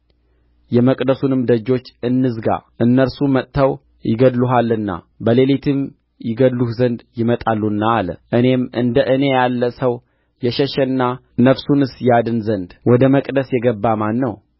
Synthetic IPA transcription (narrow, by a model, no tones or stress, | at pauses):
jɛməkʼd̪əsunɨmd̪əd͡ʒːo̞t͡ʃːɨnːɨzɡa̰ʔɨnːəɾsumət̪ʼt̪ːʰəw | jɪ̰ɡəd̪luɦalːɨnːa̰ | bəlelit̪ʰɨm | jɪɡəd̪luhzənd̪jɪmət̪ʼalːunːaːlə̰ʔɨne̞mɨ̰nd̪əʔɨne̞jalːəsəw | jɛʃɛʃɛnːa | nəfsunɨsjad̪ɨnzənd̪wɔd̪əməkʼd̪əsjɛɡəbːamanːəw